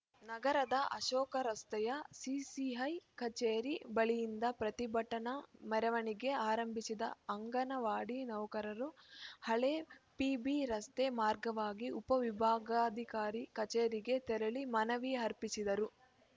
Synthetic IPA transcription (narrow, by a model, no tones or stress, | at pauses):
nɐɡɐɾɐd̪ɐʔɐ̰ʃɔːkɐɾɐst̪ɐjɐsisiɦɐjkɐt͡ʃeːɾibɐɭijind̪ɐpɾɐt̪ibɐʈːɐnɐmɛɾɐʋɐɳiɡe̞aːɾɐmbʱisid̪ɐ̰ɐŋɡɐnɐʋaːɽinɐʋkɐɾɐɾuhɐɭeːpiːbiɾɐst̪emaːɾɡɐʋaːɡiʔupɐʋibʱaːɡaːd̪ʱikaːɾikɐt͡ʃeːɾiɡe̞t̪ɛɾɐɭimɐnɐʋiɦɐɾpisid̪ɐɾu